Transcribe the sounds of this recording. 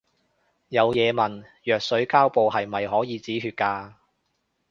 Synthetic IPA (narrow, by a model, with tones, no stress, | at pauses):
jɐ˨˧wjɛː˨˧mɐ˨˩n | jœː˨k̚sɵ˨˥ɥkaː˥wpo˨˧whɐ˨jmɐ˨jɦɔː˨˥jiː˨˧t͡siː˨˥ɦyː˧t̚kaː˧